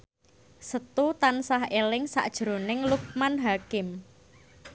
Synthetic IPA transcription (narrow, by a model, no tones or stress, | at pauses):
sət̪ut̪ansaɦelɪŋsa̰ʔd̥ʒ̥ɾo̤nɪŋluk̚manɦakɪm